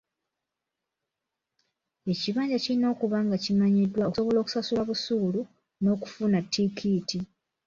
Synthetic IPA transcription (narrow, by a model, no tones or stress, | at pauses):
e̞ciβaːɲɟacilino̞ːkuβaŋɡacimaɲidːwaosoβo̞lo̞ku̥sasulaβusuːlu | no̞ːku̥funatːikʰiːti